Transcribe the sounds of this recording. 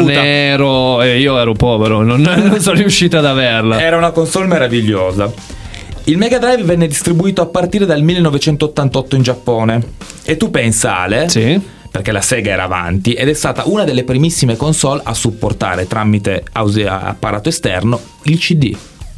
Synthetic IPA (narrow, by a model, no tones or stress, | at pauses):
nɛɾoeiːoɛːɾopɔːveɾononnːonsɔnijuʃːiːt̪aːd̪averlaɛːɾaunakonsɔlmeɾaviʎːoːza | ilmeɡad̪ɾajvvɛnːed̪ist̪ɾibuiːt̪oapːart̪iːɾed̪almilːenːɔvet͡ʃɛnt̪ot̪ːant̪ɔt̪ːoind͡ʒapːɔːne | et̪ːupːɛnsa̰lesi | perk̟elasɛːɡaɛːɾa̰ːva̰nt̪iʔed̪ɛst̪aːt̪aʔunad̪elːepɾimisːimekonsɔla̰sːupːort̪a̰ːɾet̪ɾamit̪ea̰wz̰a̰pːaɾʔaːt̪oest̪ɛ̰rno | ilt͡ʃid̪ḭ